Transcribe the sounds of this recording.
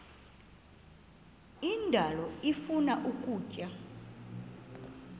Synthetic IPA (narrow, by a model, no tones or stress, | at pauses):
indʱalɔifunaʔukʼuːcʼa